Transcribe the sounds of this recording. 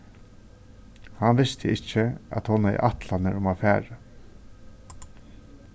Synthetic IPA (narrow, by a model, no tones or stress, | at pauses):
hanʋɪst̪ʰəɪt͡ʃːɪa̰t̪hɔnaɪ̰ʔat̪lanəɾʊmafæːɹa